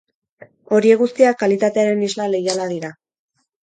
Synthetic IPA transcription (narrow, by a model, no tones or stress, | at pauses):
o̞ɾie̞ɣust̪iakːalit̪at̪e̞aɾe̞nizlale̞jalaðiɾa